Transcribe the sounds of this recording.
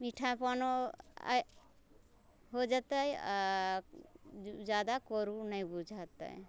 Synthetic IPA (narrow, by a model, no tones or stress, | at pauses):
miʈʰapano̰ | ɦod͡ʒat̪əja | d͡ʒad̪akoɾunəjbud͡ʒʱat̪ə̰j